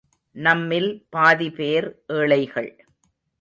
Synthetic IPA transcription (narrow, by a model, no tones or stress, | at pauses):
nɐmːɪlpaːðipeːɾʔeːɭɐɪɣɐɭ